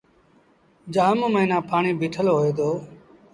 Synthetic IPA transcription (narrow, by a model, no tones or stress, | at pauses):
d͡ʒaːmoməiːnãːpʰaːɳiːbʱɪːʈʰəlɦoːeːd̪oː